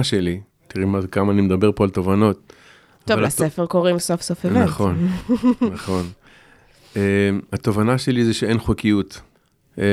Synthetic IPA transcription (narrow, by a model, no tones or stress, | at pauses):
aʃeli | t̪iʁimazekamaːnimed̪abe̞ʁpoalt̪ovano̞t̪̚ | tavoalasefeʁko̞ʁimsofsofevanχonnaχo̞n | emat̪o̞vanaʃe̞lizeʃeenχokijut̪